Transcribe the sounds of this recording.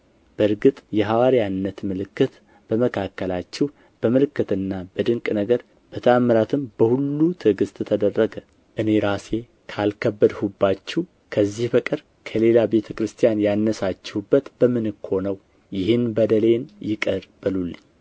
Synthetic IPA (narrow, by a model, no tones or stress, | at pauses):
b̥əɾɡɨt̪ʼjɛɦawaɾijanːət̪mɨlɨkːɨt̪ | b̥əməkʰakːəlat͡ʃːɛh | b̥əmɨlɨkːɨt̪ɨnːab̥əd̪ɨŋkʼnəɡəɾ | b̥ət̪ʰəamːəɾat̪ʰɨmbəhulːut̪ʰɨɡɨst̪ʼɨt̪ʰəd̪ərːəɡə | ʔɨne̞ɾase̞ | kʰalkʰəbːəd̪hubːat͡ʃːɛ | kʰəzːihfəkʼɨɾ | kʰəle̞labe̞t̪ʰəkɾɨst̪ʰijanjanːəsat͡ʃːɛhubːət̪bəmɨnɨkʰo̞nəw | jɪhɨnbəd̪əle̞njɪkʼəɾb̥ɨlulːɨɲː